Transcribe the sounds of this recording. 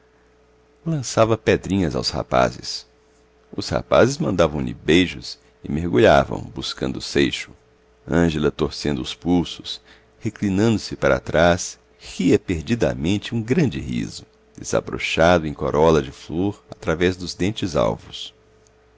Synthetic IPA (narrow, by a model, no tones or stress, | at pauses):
lɐ̃savɐpɛd̪ɾĩɲɐza̰wsha̰pa̰zɪs | ʊsha̰pa̰zɪzmɐ̃nd̪avɐ̃w̃lɪ̰bejʒʊs | ɪmeɾɡuʎavɐ̰̃w̃buskɐ̃nd̪ʊsejʃʊ̥ | ɐ̃ʒelɐt̪oɾsẽnd̪ʊʊspulsʊ̥s | heklinɐ̃nd̪ʊsɪpaɾa̰t̪ɾas | hiɐpeɾd͡ʒid̪ɐ̰mẽnt͡ʃɪũɡɾɐ̃nd͡ʒɪ̰hḭzʊ | d̪̥ez̥a̰bɾo̰ʃad̪ʊẽj̃koɾɔlɐd͡ʒɪfloɾat̪ɾavɛzd̪ʊzd̪ẽnt͡ʃɪza̰wvʊs